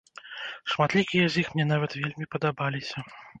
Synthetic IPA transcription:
ʂmat̪lʲikʲijɛzʲjixmnʲɛn̪avɐt̪vʲelʲmʲipɐd̪abalʲisʲɐ

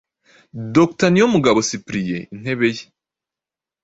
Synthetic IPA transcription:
doktanijomuɡaβo̞sipɾije̞̰in̥he̞βe̞je

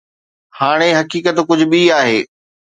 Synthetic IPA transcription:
haːɽ̃eɦɐkiːkət̪kʊd͡ʑʱʊ̆ɓiaːɦeː

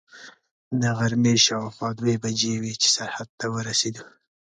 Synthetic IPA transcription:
d̪əɣaɾmeʃawaxwɑd̪webad͡ʒewit͡ʃe̥saɾhad̪̚t̪awəɾased̪u

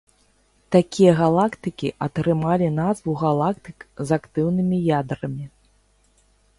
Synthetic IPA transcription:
t̪akʲijɐɣalˠakt̪ɨkʲiʔɐt̪ɾɨmalʲinazvuɣalˠak̚t̪ɨkzakt̪ɨwnɨmʲijad̪ɾɐmʲi

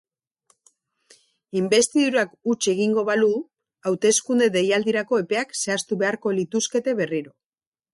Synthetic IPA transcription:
imbe̞st̪iðuɾuakut͡ʃe̞ɣ̞iŋɡo̞βalu | awt̪e̞skund̪e̞ðe̞jald̪iɾako̞e̞pe̞akse̞ast̪uβe̞aɾko̞lit̪uske̞t̪e̞βe̞riɾo̞

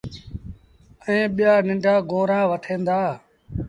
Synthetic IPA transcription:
əẽːɓɪjaːnɪ̃ɳɖaːɡoːɾãːʋəʈʰẽːnd̪aː

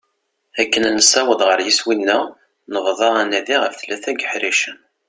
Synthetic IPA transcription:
ækːənænəsæwəðˤʁəɾjiswinːæ | nəʁðˤɑʁænæðiʁəfθlæθæɡəħɾiʃən

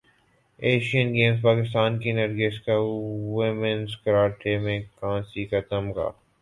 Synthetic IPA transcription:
eːʃiənɡeːms̬paːkɪst̪aːnkinɐɾɡeskawɪmənzkɐɾaːʈʰemẽkãːsikat̪əmka̰ː

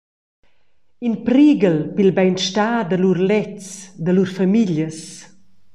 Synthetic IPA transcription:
inpɾiɡəlpilbɛjnʃtaːd̪əlurlɛt͡sd̪əluɾfamiʎjəs

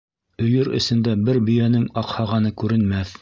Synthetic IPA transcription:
ɵ̆jɵɾɵ̰̆sɘ̆nd̪æbɘɾbɵ̆jænɘŋɑqhɑʁɑnɤkʉɾɘ̆nmæθ

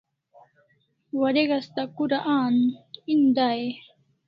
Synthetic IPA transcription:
waɾeɡast̪akuɾaʔaːnind̪aːje

